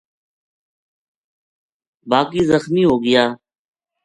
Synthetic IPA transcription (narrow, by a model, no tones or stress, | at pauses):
baːkiːzəxmiːɦoːɡɪjaː